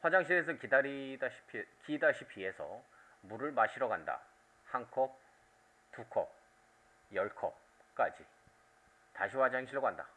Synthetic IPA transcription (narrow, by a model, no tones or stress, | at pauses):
ɸwad͡ʑaŋɕ̬ʰiɾes̬ʰʌkidaɾidaɕʰi̥pʰikidaɕʰipʰie̞sʰʌ̰ | muɾɯɭmaɕʰiɾʌɡanda̰ | haŋkʰʌ | tukʰʌp̚ | jʌɭkʰʌp̚ | k͈ad͡ʑi | taɕʰiwad͡ʑaeŋɕʰiɭoɡanda